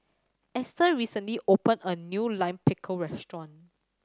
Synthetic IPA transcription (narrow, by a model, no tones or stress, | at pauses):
ʔɛstəɹisə̃nliʔopə̃nənjulãɪ̃mpɪkʰəɹɛstɹɔ̃n